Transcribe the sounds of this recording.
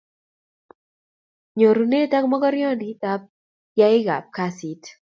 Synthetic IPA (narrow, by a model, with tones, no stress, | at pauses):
ɲo˨ɾu˨ne˦˨ta˦kmɔ˦ɡɔ˦ɾɪjɔ˦ndita˦p̚ | ja˦ɪ˦ɡa̰˨p̚ka˦si˨t